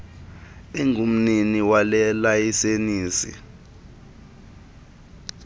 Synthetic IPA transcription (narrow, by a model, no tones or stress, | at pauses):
ɛŋʱum̩niniwalɛlajiseniːsḭ